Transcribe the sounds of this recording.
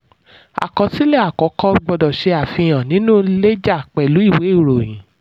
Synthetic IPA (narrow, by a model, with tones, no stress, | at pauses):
a̰˨kɔ̃˨˧ti˦lɛ˦a˨kɔ˨˦kɔ˦ɡ͡bɔ˧dɔ˨ʃe˧a˨fĩ˧j̃ã˨nĩ˨˦nũ˦le˦d͡ʒa˦˨k͡pɛ˨lu˨˦i˦˨we˨˦˨ɾo˨j̃ĩ˨˦